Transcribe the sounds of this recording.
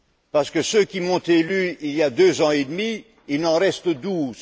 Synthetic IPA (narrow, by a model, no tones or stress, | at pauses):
paʁsə̥kəsøkʲimɔ̃t̪elyiljad̪øzɑ̃ed̪mi | ilnɑ̃ʁɛst̪əd̪uːz